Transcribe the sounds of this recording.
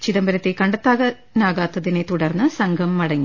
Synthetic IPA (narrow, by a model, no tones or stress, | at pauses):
t͡ɕiðɐmbɐɾɐt̪ːekɐɳɖɐt̪ːaːɣɐ | naːɣaːt̪ːɐðinet̪uɽɐrnːɨsɐŋɡʱɐmːɐɽɐŋːi